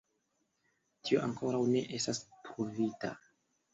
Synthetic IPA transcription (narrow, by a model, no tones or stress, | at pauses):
tioʔaŋko̞ɾawne̞ʔe̞stastɾuvita̰